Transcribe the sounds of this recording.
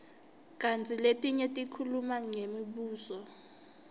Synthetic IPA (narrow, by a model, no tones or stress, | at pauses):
kʼant͡sʰiletʼiɲɛtʼikʰulumaŋemiɓuːsɔ